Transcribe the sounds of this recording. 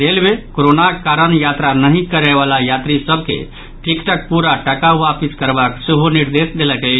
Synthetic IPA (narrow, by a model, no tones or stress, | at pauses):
d̪elbekoɾonakaɾənjat̪ɾanəɦĩkəɾɛβalajat̪ɾisəbʱkḛ | ʈʰikʈək̚puɾaʈəkaʋapiskəɾbakseɦoniɾd̪esd̪eləkə